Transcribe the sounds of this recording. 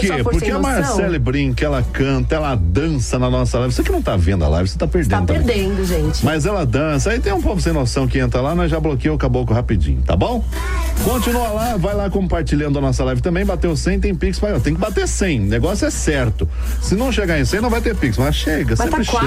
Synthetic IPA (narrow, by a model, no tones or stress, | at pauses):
keppʊɾkeamaɾsɛlɪbɾĩkɐɛlɐkɐ̃nt̪ɐɛlɐd̪ɐ̃sɐnɐnɔsɐlajvɪsekɪnɐ̃w̃t̪avẽnd̪ʊa̰la̰jvɪse̥t̪apeɾd̪etad̪p̪eɾd̪ẽd̪ʊʒẽt͡ʃɪ̥mɐjzɛlɐd̪ɐ̃s̬ɐait̪ẽj̃ũpokʊsẽj̃nosɐ̃w̃kɪẽnt̪ɾɐlanɐ̃ʒablokejʊkabokʊhapid͡ʒḭ̃ɲʊt̪a̰bõw̃ | kõt͡ʃinuɐlavajlakõmpaɾt͡ʃiʎɐ̃d̪ʊɐnɔsɐlajvɪt̪ɐ̃mbẽj̃bat̪ewsẽj̃t̪ẽj̃piksmajɔt̪ẽj̃kɪbat̪eɾsẽj̃neɡɔsjʊɛsɛɾt̪ʊ | sɪnɐ̃w̃ʃeɡaɾẽj̃sẽnɐ̃w̃vajt̪eɾpiksmʃeɡɐsẽapɾʃ